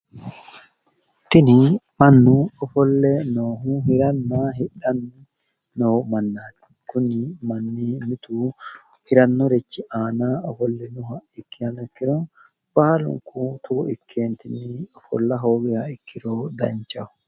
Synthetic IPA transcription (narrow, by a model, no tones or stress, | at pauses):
t̪ːɪnɪmɐnːʊɔfɔlːɛnoːɦʊhɪɾɐnːaːɦɪᶑɐnː | noːmɐnːaːn | kʊnɪmɐnːimɪt̪u | hɪɾɐnːɔɾɛt͡ʃːɪʔaːnaːɔfɔlːɛnʊɦɐɪkːɪhɐnɪkːɪɾɔ | b̥aːlʊ̰ŋkʊt̪ʰʊɡɔɪkʰːeːnt̪ɪnːɪɔfɔ̰lːɐɦo̞ːɡɛhɐɪkʰːɪɾoːd̪ɐ̰nt͡ʃːɐʊ